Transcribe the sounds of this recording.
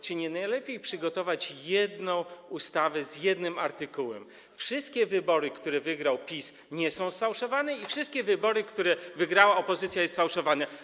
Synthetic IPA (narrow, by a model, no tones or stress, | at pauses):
t͡ɕeɲɛnajlɛpʲjejpʂɘɡɔt̪ɔvat͡ɕjɛd̪nɔ̃w̃ust̪avɛzjɛd̪nɘmaɾt̪ɘkuwɛ̰m | fʂɘst̪̚kʲɛvɘbɔɾɘkt̪uɾɛvɘɡɾawpʲis | ɲɛsɔ̃w̃sfawʂɔvanɛifʂɘst̪̚kʲɛvɘbɔɾɘkt̪uɾɛvɘɡɾawaɔpɔzɘt̪sʲjajɛst̪fawʂɔvanɛ